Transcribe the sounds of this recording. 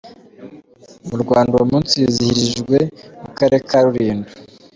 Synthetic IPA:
muɾɡwaːndaomuːnsiizihiɾiʒɡwemukaɾe̞kʰaɾuɾiːndu

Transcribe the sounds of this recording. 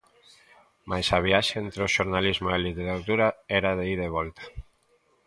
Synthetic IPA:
majsaβ̞iaʃeent̪ɾeoʃoɾnalizmoelit̪eɾat̪uɾaɛɾaðeiðeβ̞ɔlt̪ḁ

